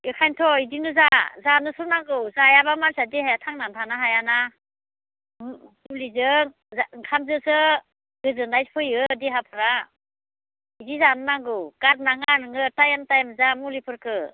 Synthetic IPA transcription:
ɯkʰajntʰɔidinɯzazanɯsɯnaŋɡɯwzajabamansadihajatʰaŋnamtʰanaɦajana | ulizɯŋ | aŋkʰamzɯsɯ | ɡɯzɯŋndajpʰɯjɯdiɦapʰɯɾa | idizanɯnaŋɡɯwkat̚naŋanɯŋɯtajamtajamzamulipʰɯɾkɯ

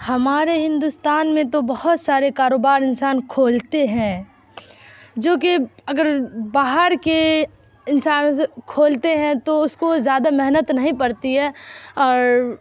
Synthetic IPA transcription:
hɐmaːɾeɦɪ̃nd̪ʊst̪aːnmẽt̪obɐhʊt̪saːɾekaːɾoːbaːɾɪ̃nsaːnkʰoːlt̪eɦɛ̃ː | d͡ʒoːkeɐɡəɾbaːɦəɾke | ɪnsaːnskʰoːlt̪eɦɛ̃t̪oʊskozjaːd̪amɛɦnət̪nɐɦĩpɐɾt̪iɦɛːɔːɾ

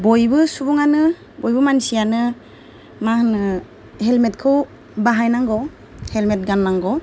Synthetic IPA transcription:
bojbɯsubuŋanɯ | bojbɯmansijanɯ | mahnɯ | hɛlmet̚kʰɯw | baɦajnaŋɡɔ | helmet̚ɡanːaŋɡɔ

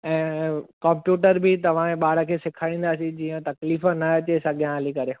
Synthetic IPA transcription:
ɛ̃ːkɐ̃mpjuːʈəɾbɪt̪ɐʋ̤ãeɓaːɽəkʰeːsɪkʰaːĩːn̆d̪aːsĩd͡ʑiːə̃t̪ɐkliːfənɐɐt͡ɕesɐɠʱjãɦɐlikɐɾe

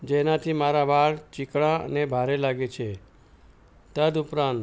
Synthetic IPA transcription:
d͡ʒenat̪ʰimaɾaʋaɭt͡ʃɪkɭãə̰nebʱaɾelaɡet͡ʃʰe | t̪əd̪ʊpɾãn

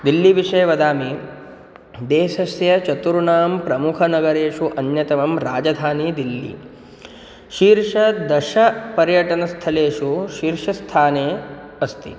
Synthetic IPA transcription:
d̪ilːiʋiʂɐjɐʋɐd̪aːmi | d̪eːʃɐsjɐt͡ʃɐt̪uɾuɳaːmpɾɐmukʰɐnɐɡɐɾeːʂuʔɐnjɐt̪ɐʋɐmɾaːd͡ʒɐd̪ʱaːnid̪ilːḭ | ʃiːɾʂɐd̪ɐʃɐpɐɾjɐʈɐnɐst̪ʰɐleːʃuʃiːɾʂɐst̪ʰaːneː | ɐst̪ḭ

